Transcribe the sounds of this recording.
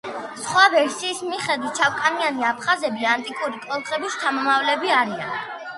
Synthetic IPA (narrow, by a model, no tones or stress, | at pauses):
sχwavɛɾsiːsmiχɛd̪wit̪̚t͡ʃʰawkʼanianiapʰχazɛbiant̪ʼikʼuɾikʼlɔlˠχʼɛbist̪ʰamɔmavlɛbiaɾia̰n